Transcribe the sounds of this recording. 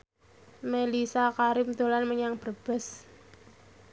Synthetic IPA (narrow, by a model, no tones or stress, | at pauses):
melisakaɾɪmd̪̥olanməɲaŋb̥ərb̥ɛ̤s